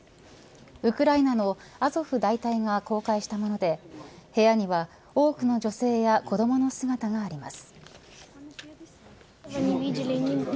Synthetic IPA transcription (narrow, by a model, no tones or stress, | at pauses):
ɯ̟kɯ̟ɾainano̞azo̞ɸɯ̟d̪ait̪aiɡako̞ːkaiɕi̥t̪amo̞no̞d̪e̞he̞jaɲ̟iβa | o̞ːkɯ̟no̞ʑo̞se̞ːjako̞d̪o̞mono̞sɨɡat̪aɡaːɾʲima̰sɨ̥